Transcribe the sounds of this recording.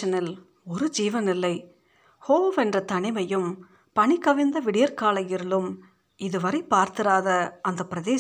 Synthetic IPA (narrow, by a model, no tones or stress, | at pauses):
ɐnɪl | ɔɾɯd͡ʒiːʋɐnɪlːɐɪ | hoːʋɐʋɐɛndrɐt̪ɐɳɪmɐjɯm | pɐɳikːɐʋɪnd̪ɐʋɪɽɪjɐɾkaːlɐjɪɾɯɭɯm | ɪðɯʋɐɾɐɪpːaːɾt̪ɪɾaːðɐʔɐnd̪ɐpːɪɾɐðeː